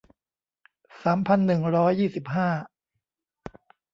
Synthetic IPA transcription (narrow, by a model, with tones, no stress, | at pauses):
saː˩˦mpʰa˧nːɯ˨˩ŋɾɔː˦˥jːiː˥˩si˨˩p̚ɦaː˥˩